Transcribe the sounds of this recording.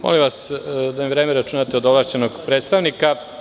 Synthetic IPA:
mo̰lĩʋasd̪amiʋɾeːmeɾat͡ʃunat̪eod̪oʋlˠaʃt͡ɕenoɡpɾet̪st̪aʋnika

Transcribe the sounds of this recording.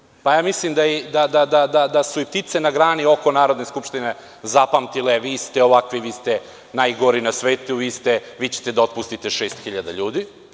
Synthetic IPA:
pajaːmislimd̪ajɛd̪ad̪ad̪ad̪ad̪asuip̚t̪it̪se̞naɡɾaːnio̞ko̞naːɾo̞d̪ne̞skupʃt̪ine | zapamt̪ileʋiːst̪eo̞ʋakʋiʋiːst̪e | najɡo̞ɾinasʋeːt̪uʋiːst̪eʋiːt͡ɕe̥t̪e̞d̪ao̞t̪̚pust̪it̪e̞ʃeːst̪xiʎad̪a̰ʎuːd̪i

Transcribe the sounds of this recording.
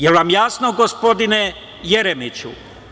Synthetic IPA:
jelʋamjasnoɡospo̞d̪ine | jeɾemit͡ɕṵ

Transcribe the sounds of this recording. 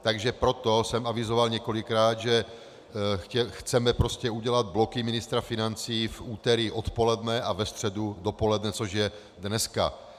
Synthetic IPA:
t̪aɡʒɛpɾot̪osɛmavizovalɲɛkolɪkɾaːd̪ʒɛ | ɛxt͡sɛmɛpɾoscɛuɟɛlad̪̚blokimɪnɪst̪ɾafinant͡siːfuːt̪ɛɾiʔot̪polɛd̪nɛavɛst̪r̥ɛdudopolɛd̪nɛt͡soʒjɛ | d̪nɛska̰

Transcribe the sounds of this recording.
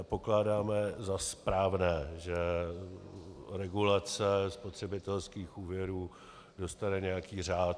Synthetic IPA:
po̞klaːdaːmɛzaspɾaːvnɛːʒɛ | ɾɛɡulat͡sɛspot̪r̝̥ɛbɪt̪ɛlskiːxuːvjɛɾuː | do̞st̪anɛɲɛjakiːr̝aːt̪

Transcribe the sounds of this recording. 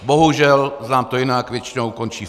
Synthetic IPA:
boɦuʒɛlznaːmt̪ojinaɡʋjɛt͡ʃɪnoʊkɔnt͡ʃiː

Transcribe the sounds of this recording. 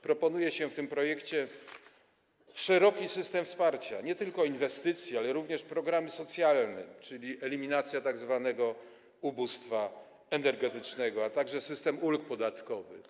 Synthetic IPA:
pɾɔpɔnujɛɕɛft̪ɘmpɾɔjɛkt͡ɕɛ | ʂɛɾɔkʲisɘst̪ɛmfspaɾt͡ɕa̰ɲɛt̪ɘlkɔinvɛst̪ɘt̪sʲjialɛɾuvɲɛʂpɾɔɡɾamɘsɔt̪sʲjalnɛ̰t͡ʂɘlʲiʔɛlʲimʲinat̪sʲjat̪aɡzvanɛɡɔ | ubust̪fa | ɛnɛɾɡɛt̪ɘt͡ʂnɛɡɔat̪aɡʐɛsɘst̪ɛmulk̚pɔd̪at̪kɔvɘ̰

